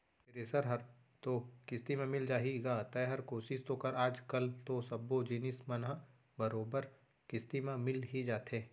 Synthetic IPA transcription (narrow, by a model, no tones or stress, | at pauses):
pɪɾeːsəɾɦɐɾ | t̪okɪst̪imẽmɪld͡ʒaːɦiɡaːt̪ɐɦɐɾkoːsɪʃt̪oːkɐɾaːd͡ʒkɐlt̪osɐbːod͡ʒinɪsmɐnɦ | bɐɾoːbəɾ | kɪst̪imẽmɪlɦid͡ʒaːt̪ʰeː